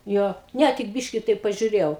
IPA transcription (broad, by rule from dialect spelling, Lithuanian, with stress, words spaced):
ˈjoː ˈnʲɛ tʲɪk ˈbʲɪʃʲkʲɪ ˈtɐɪp pɐʒʲʊˈrʲeːjɛʊ